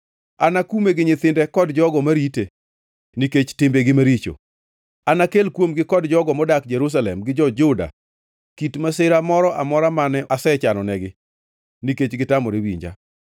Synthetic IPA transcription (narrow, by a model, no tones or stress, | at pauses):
anakumeɡɪɲɪt̪ɪndɛkɔdd͡ʒɔɡɔmaɾite | niket͡ʃtɪmbeɡɪmaɾit͡ʃo̰ | anakelkwomɡɪkɔdd͡ʒɔɡɔmɔdak̚d͡ʒɛɾus̬alɛ̰mɡɪd͡ʒɔd͡ʒʊda̰ | kitmasɪɾamɔɾɔʔamɔɾamanɛasɛt͡ʃanɔnɛɡɪ | niket͡ʃɡɪtamɔɾewḭɲd͡ʒa̰